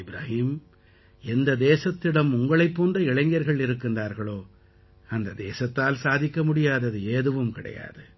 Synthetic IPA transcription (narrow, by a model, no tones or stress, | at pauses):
ɪbɪɾaːhiːm | ɛnd̪ɐd̪eːsɐt̪ːɪɽɐmʊŋɡɐɭɐɪpːoːndrɐɪɻɐɪŋɡɐɾɣɐɭɪɾɯkːɯndaːɾɣɐɭoː | ɐnd̪ɐd̪ḛːsɐt̪ːaːlsaːðɪkːɐmʊɽɪjaːðɐðɯeːðɯʋɯmkɪɽɐ̰ja̰ːðɯ